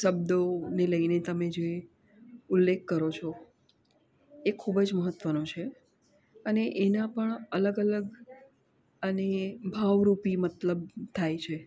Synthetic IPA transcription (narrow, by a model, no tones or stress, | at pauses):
ʃəbd̪oneləinet̪əmed͡ʒee | ʊlːekʰːəɾot͡ʃʰo | ekʰːubəd͡ʒməɦət̪ʋənõt͡ʃʰe | əneʔenapəɳələɡələɡ | ənebʱaʋɾupimət̪ləb̚t̪ʰajt͡ʃʰe